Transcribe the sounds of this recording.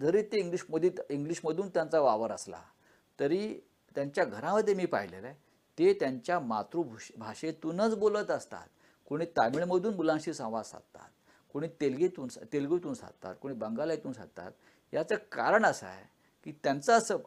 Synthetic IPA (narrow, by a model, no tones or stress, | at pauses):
d͡zəɾet̪eiŋɡliɕməd̪ʱit̪iŋɡliɕməd̪ʱuːnt̪jant͡saʋaʋəɾəsla̰ | t̪əɾiː | t̪jaɲt͡ɕjaɡʱəɾãməd̪ʱjemiːpa̰ɦilḛɾa | t̪et̪jaɲt͡ɕjama̰t̪ɾuːbʱubʱaɕet̪uːnət͡sbolət̪əst̪a̰t̪̚ | koɽ̃iːt̪ajmiɭməd̪ʱuːnbulãŋɕiːsə̃w̃ʋad͡zsa̰t̪a̰t̪ | koɽ̃iːt̪elɡet̪uːnsat̪elɡit̪uːnsa̰t̪ːa̰t̪̚koɽ̃iːbəŋɡalajt̪uːnsa̰t̪a̰t̪ | jat͡səka̰ɾəɳəsa̰j | kiːt̪jant͡səəsəː